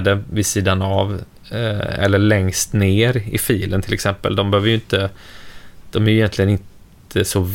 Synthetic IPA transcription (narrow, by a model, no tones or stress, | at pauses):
d̪əvɪsiːd̪anav | ɛ̰lːəɭɛŋst̪neːɾɪ̰fiːlə̰nt̪ʰɪlɛksɛmpə̰ld̪ɔmbɛhøːvəɾjʏɪnt̪ə | d̪̥ɔmæɾjʏjɛnt̪lɪɡənɪnt̪ʰ | əsɔ